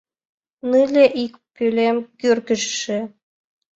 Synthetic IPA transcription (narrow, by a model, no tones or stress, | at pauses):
nɨlʲeʔikpylʲemkyrkə̆ʃʃĕ